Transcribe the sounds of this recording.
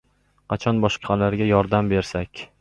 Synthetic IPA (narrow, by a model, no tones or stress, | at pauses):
qʰɑt͡ʃʰɒnbɒʃqʰɑlaɾɡʲajɒɾd̪ambe̞ɾsakʲ